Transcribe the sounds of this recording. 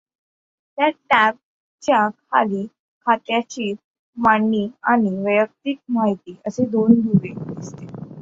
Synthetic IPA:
t̪jaʈæp̚ | t͡ɕjakʰa̰liː | kʰat̪jat͡ɕiː | maɳːiːaɽ̃iʋəjək̚t̪iːk̚maɦit̪iːʔəsed̪ond̪uʋed̪ist̪e

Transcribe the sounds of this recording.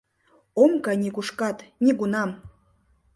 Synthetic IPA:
omkɑnʲikuʃkɑt̪nʲiɡunɑm

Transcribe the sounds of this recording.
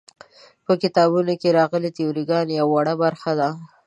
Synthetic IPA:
pəkɪt̪ɑbunokeɾɑɣəlit̪eoɾiɡɑnjawwːaɽabaɾxad̪a

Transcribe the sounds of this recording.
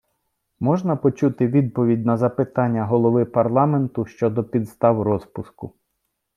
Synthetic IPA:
mɔʒnɐpɔt͡ʃut̪ɪʋʲid̪̚pɔʋʲidʲnɐzɐpɪt̪ɑnʲːɐɦɔlˠɔʋɪpɐrlˠɑment̪ʊʃt͡ʃɔd̪ɔpʲid̪st̪ɑwrɔspʊskʊ

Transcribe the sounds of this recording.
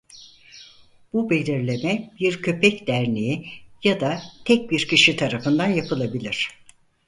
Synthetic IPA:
b̥ube̞lʲiɾlʲe̞mɛbiɾcʰø̞pʰɛcd̪æɾniijad̪at̪ʰɛc̚biɾcʰiʃit̪ʰaɾafɯnd̪anjapʰɯlˠabilʲiɾ̝̥

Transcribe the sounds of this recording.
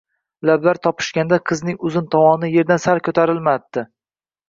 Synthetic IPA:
lablaɾt̪ʰɒpʰɪ̥ʃkʲand̪aqʰɨznɪŋʊzɪnt̪ʰɒmɒnɪje̞ɾd̪ansaɾkʰɵt̪ʰaɾɪlmat̪ːɪ

